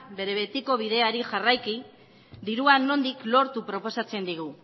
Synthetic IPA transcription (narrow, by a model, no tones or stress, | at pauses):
be̞ɾe̞βe̞t̪iko̞β̞iðe̞aɾiʝarajki | d̪iɾuanːo̞nd̪iklo̞ɾt̪upɾo̞po̞sat͡se̞nd̪iɣu